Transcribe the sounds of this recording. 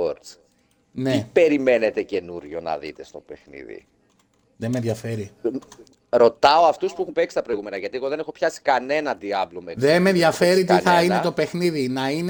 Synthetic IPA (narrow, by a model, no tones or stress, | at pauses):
oɾs | neipe̞ɾime̞ne̞t̪e̞ce̞nuɾʝo̞nɐ̰ðḭt̪e̞st̪o̞pe̞xnḭðḭ | ðemenðʝɐfe̞ɾi | ɾo̞t̪ɐo̞ɐft̪uspuexumpe̞ksi̥t̪ɐpɾojɣume̞nɐʝɐt̪ieɣo̞ðe̞nexopçɐsi̥kɐne̞nɐd̪iɐvlomeðe̞menðʝɐfe̞ɾit̪iθɐine̞t̪o̞pe̞xniðinɐin